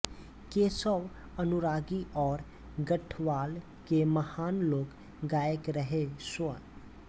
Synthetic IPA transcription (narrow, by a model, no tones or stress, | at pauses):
keːsəw | ənʊɾaːɡiʔɔːɾ | ɡəʈʰʋaːl | keməhaːnloːk | ɡaːjəkɾəɦeswə